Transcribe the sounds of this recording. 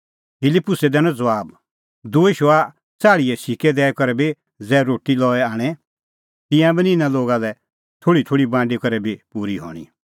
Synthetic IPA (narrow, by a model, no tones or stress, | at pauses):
pʰɪlɪpːʊsɛd̪ɛnd͡zɐʋaːb | d̪oːeʃoa | t͡saːɭiɛsikɛd̪ɛːkɔɾɛbi | d͡zɛːɾoːʈilɔːɛaːɽ̃ɛ | t̪ɪ̃jãbiniɪnãloːɡalɛ | t̪ʰoːɽit̪ʰoːɽibãːɳɖikɔɾɛbʱipuːɾiɦɔ̰ːɽ̃ḭ